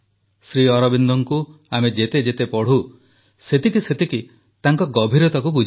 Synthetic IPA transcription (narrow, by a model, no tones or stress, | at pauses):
sɾiɔɾɔbind̪ʱɔŋku | amed͡ʒet̪ed͡ʒet̪epɔɽ̤u | set̪ikiset̪iki | t̪aŋkɔɡɔbʱiɾɔt̪akubud͡ʒʱ